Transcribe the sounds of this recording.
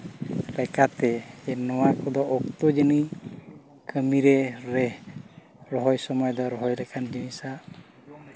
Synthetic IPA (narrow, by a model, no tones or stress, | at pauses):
lɛkat̪ɛɛnɔwakɔd̪ɔʔɔk̚t̪ɔd͡ʒəni | kʰəmiɾɛɾɛ | ɾɔɦɔjsɔmɔjd̪ɔɾɔɦɔjɾɛkʰand͡ʒinisa